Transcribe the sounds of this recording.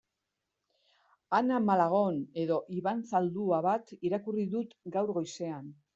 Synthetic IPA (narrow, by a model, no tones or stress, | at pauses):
anamalaɣ̞o̞ne̞ðo̞ʔiβansald̪uaβat̪iɾakuriðut̪ɡawɾɣo̞jse̞an